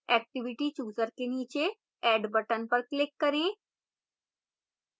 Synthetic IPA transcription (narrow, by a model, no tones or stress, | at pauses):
ɛk̚ʈiʋiʈiːt͡ɕuːzəɾkinit͡ɕe | ɛɖbəʈənpəɾklekːəɾẽ